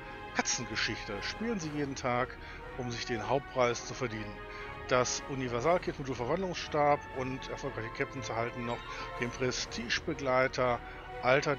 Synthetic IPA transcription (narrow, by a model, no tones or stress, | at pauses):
kʰat͡sn̩ɡəʃɪçtəʃpiːlənziːjeːdn̩tʰaːk | ʔʊmzɪçd̥eːnɦaʊp̚t̚pʁ̥aɪst͡sufɛɐdiːnən | d̥asʔʊnivɛɐzaːlkʰɪtmʊduːlfɛɐvandlʊŋsʃtaɐpʊntɛɐfɔlkʁ̥aɪçəkʰɛp̚tn̩t͡sɛɐhaltn̩ːɔχ | d̥eːmpʁ̥ɛstʰiːʃb̥əɡlaɪtʰɐ | ʔaltɐ